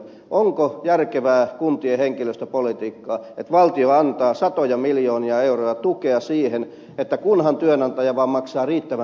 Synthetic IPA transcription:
ʔoŋkojærkeʋæːkunt̪ieheŋkiløst̪æpolit̪iːkːɑːet̪ʋɑlt̪ioɑnt̪ɑːsɑt̪ojɑmiljoːniɑeurojɑt̪ukeɑsiːhen | et̪ːækunhɑnt̪yønɑnt̪ɑjɑʋɑːmɑksɑːriːt̪ːæʋæ

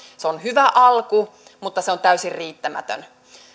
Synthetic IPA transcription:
seonhyʋæʔɑlku | mut̪ːɑseont̪æysirriːt̪ːæmæ̰t̪ø̰n

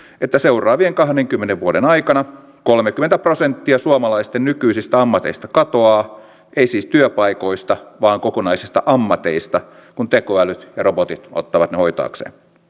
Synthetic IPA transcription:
et̪ːæseurˑɑːʋieŋkɑhdeŋkymːeneʋʋuoɾenɑikɑnɑ | kolmekymːent̪æprosent̪ːiɑsuɑmɑlɑist̪ennykyisist̪æɑmːɑt̪eist̪ɑkɑt̪oɑː | eisiːst̪yøpɑikoist̪ɑʋɑːŋkokonɑisist̪ɑ̰ʔɑmːɑt̪ḛist̪ɑ | kunt̪ekoælyt̪jɑrobot̪it̪o̰t̪ːɑʋɑt̪nehoit̪ɑ̰ːksḛːn

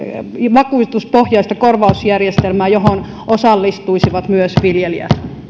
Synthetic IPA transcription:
ʋɑkuist̪uspohjɑist̪ɑkorʋɑusjærjest̪elmæːjoɦon | ʔosɑlːist̪uisiʋɑt̪myøsʋiljeliæ̰

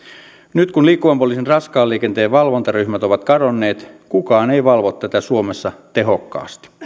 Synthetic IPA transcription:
nyt̪kunliːkːuʋɑmpolisinrɑskɑːlːiːkent̪eːʋʋɑlʋo̞nt̪ɑryçmæt̪o̞ʋɑt̪kɑdonːe̞ːt̪kukɑːneiʋɑlʋot̪t̪ːæt̪æsuomesːɑt̪eɦokːɑ̰ːst̪i̥

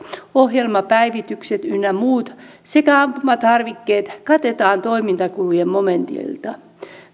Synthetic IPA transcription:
oɦjelmɑpæiʋit̪ykset̪ynːæmuːt̪ | sekæɑmpumɑt̪ɑrʋikːeːt̪kɑt̪et̪ɑːnt̪oimint̪ɑkulujemmoment̪ḭlt̪ɑ

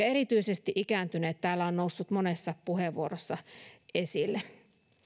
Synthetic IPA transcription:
ɑeɾit̪yisest̪iʔikæːnt̪yneːt̪t̪æːlːæonnousːut̪monesːɑpuheʋʋuoɾosːɑesilːe

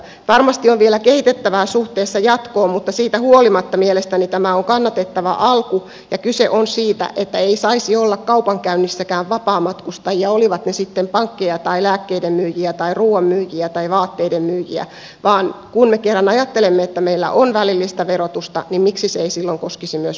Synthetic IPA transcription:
ʋɑrmɑst̪ioʋʋielækehit̪et̪ːæʋæːsuht̪eːsːɑjɑt̪koːmmut̪ːɑsiːt̪æhuolimɑt̪ːɑmielest̪ænit̪æmæoŋkɑnːɑt̪et̪ːæʋæ̰ʔɑlku | jɑkyseʔonsiːt̪æ̰ʔet̪ːæeisɑisiolːɑkkɑupɑŋkæynːisːækæːʋʋɑpɑːmɑt̪kust̪ɑjiɑoliʋɑt̪nesit̪ːempɑŋkːejɑt̪ɑilæːkːeidemmyːjiæt̪ɑiruːɑmmyːjiæt̪ɑiʋɑːt̪ːeidemmyːjiæ̰ | ʋɑːnkunmekerːɑnɑjɑt̪ːelemːeet̪ːæmeilːæ̰ʔonʋælilːist̪æʋerot̪ust̪ɑ̰nimmiksiseeisilːoŋkoskisimyøs

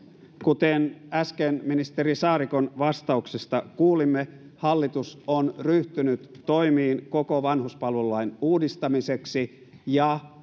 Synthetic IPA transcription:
kut̪enæskenminist̪eɾisɑːɾiko̞nʋɑst̪ɑuksest̪ɑkuːlimːe | hɑlːit̪usonryht̪ynyt̪ːo̞imiːnko̞koʋɑnɦuspɑlʋeluɑinuːdist̪ɑmise̞ksi | jɑ

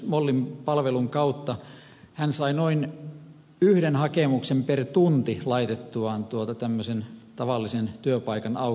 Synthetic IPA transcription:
molːimpɑlʋeluŋkɑut̪ːɑ | hænsɑinoin | yhdenhɑkemuksempert̪unt̪ilɑit̪et̪ːuɑːˑnt̪uot̪ɑt̪æmːøsent̪ɑʋɑlːisent̪yøpɑikɑnɑu

